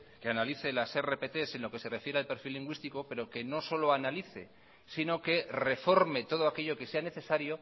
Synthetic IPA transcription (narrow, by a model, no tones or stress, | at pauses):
ke̞analiθe̞lasere̞pe̞t̪e̞se̞nlo̞ke̞se̞re̞fje̞ɾealpe̞ɾfilːiŋɡwist̪iko̞pe̞ɾo̞ke̞no̞so̞lo̞analiθe̞̰ | sino̞ke̞re̞fo̞ɾme̞t̪o̞ð̞oake̞ʎo̞ke̞se̞ane̞θe̞saɾjo̞